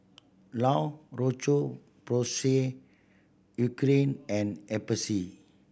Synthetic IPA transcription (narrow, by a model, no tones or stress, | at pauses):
lawrot͡ʃo | pɾose | ukɾẽnɛ̃nɛbəsi